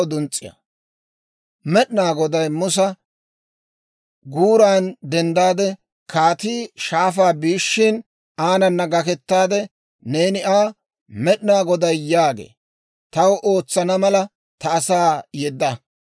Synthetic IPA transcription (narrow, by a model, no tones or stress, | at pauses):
d̪ʊnt͡sʼːɪ̰jɐ̰ | mɛɗnaːɡɔd̪ɐjmʊs̬ɐ | ɡuːɾaːnd̪ɛnd̪aːd̪ɛ | kʰaːt̪iːʃaːfaːbiːʃːɪn | aːnɐnːɐɡɐkɛt̪ːaːd̪ɛ | ne̞ːnɪʔaː | mɛɗɪnaːɡɔd̪ɐjjaːɡḛː | t̪ɐwʔo̞ːt͡sːɐnɐmɐlɐ | t̪ɐːsaːjɛd̪ːɐ